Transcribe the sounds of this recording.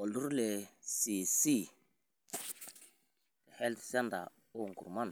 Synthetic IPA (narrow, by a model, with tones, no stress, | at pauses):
o˨lu˦ɾle˨si˨si˦˨ | le˨hɛ˦ltsa˦nda̰˨ | o˦˨ŋ˨ɡu˨ɾma˦n